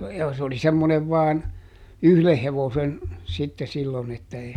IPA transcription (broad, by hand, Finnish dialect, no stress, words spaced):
jɑ s oli semːoneʋ ʋɑːn yhleh heʋosen sitːe silːon etːæ eː